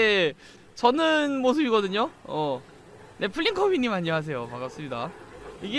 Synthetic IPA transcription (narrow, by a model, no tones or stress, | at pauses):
e | t͡ɕʌnɯnmos̬ʰɯbiɡʌdɯɲoʌ | nʔe̞pʰɯɭʎːiŋkʰʌɥiɲːimaɲːʌɦas̬ʰe̞jomaɡas͈ɯmɲidaiɡe